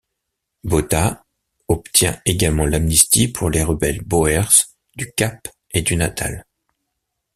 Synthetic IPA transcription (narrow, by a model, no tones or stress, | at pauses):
bot̪a | ɔpt̪jɛ̃eɡalmɑ̃lamnist̪ipʰuʁleʁəbɛlboɛʁs | d̪ykap | ed̪ynat̪ʰa̰l